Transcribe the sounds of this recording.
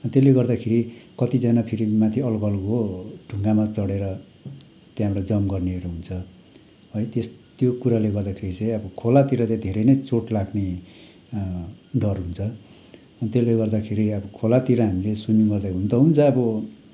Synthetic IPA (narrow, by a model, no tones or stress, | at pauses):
ʌnt̪eleɡʌrd̪akʰeɾikʌt̪id͡zanapʰiɾimat̪ʰiʌlkʌlkoɖʱuŋɡamat͡sʌɽeɾʌ | t̪jãɦamrad͡zʌmɡʌrneʌɾoɦunt͡sʰʌ | ɦʌjt̪est̪jokuɾaleɡʌrd̪akʰeɾit͡sʌ̃j̃ʌbʌkʰolat̪iɾʌt͡sãd̪ʱeɾʌjnʌjt͡soʈlaɡne | ɖʌrɦunt͡sʰʌ | ʌnit̪eleɡʌrd̪akʰeɾiʌbʌkʰolat̪iɾʌɦamilesunjuɡʌrd̪aɦunt̪ʌɦunt͡sʰʌːbʌ